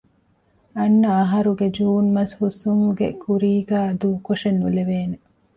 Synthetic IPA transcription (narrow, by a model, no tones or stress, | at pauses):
ɐnːɐːɦɐɾuɡed͡ʒuːnmɐshusuŋhuɡḛkuɾiːɡæːɐd̪uːkoʂenːuleʋeːne